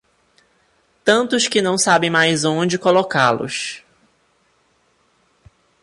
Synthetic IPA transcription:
t̪ɐ̃nt̪ʊskɪnɐ̃w̃sabẽj̃majzõd͡ʒɪkolokalʊ̰s

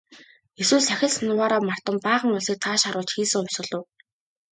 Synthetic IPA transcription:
eswɘːsæxʲɪ̆ɮsnʊwaːɾɔːmar̥t̪ə̆mpaːʁə̆ŋʊɮsiːk̚t̪ʰaːʃaɾʊːɮt͡ɕxiːsɘ̆ŋʊm̥ʲsʊ̆ɮʊ̆w

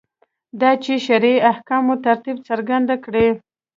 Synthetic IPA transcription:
d̪ɑt͡ʃeʃaɾeahkɑmot̪aɾt̪ib̚t͡səɾɡand̪akɽe

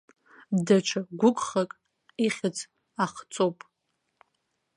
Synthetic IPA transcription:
daʈ͡ʂʷʰaɡʷʊkʷʼχakʼ | iχʲɪt͡sʰʼ | aχt͡sʼowpʼ

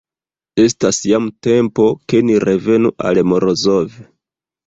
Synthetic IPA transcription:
e̞stasjamte̞mpo̞ke̞niɾe̞ve̞nuʔa̰lmo̞ɾozo̞ve

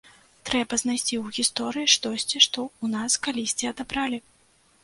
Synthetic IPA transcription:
t̪ɾɛbɐznajsʲt͡sʲiwɣʲist̪ɔɾɨjiʂt̪ɔsʲt͡sʲiʂt̪ɔunaskalʲisʲt͡sʲiɐd̪abɾalʲi

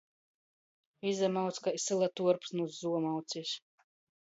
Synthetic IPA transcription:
izamawt̪skajsɨlˠat̪uɔɾpsnuzzuɔmawt̪sʲis

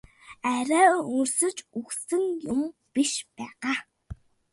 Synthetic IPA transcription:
æɾæːuŋ̆rsɘ̆t͡ɕuxsɘ̆ŋjʊmpiʃpæːʁaː

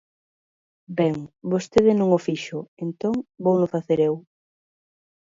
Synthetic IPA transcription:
bɛŋbost̪eðɪnõŋofiʃʊent̪oŋbownʊfaθeɾew

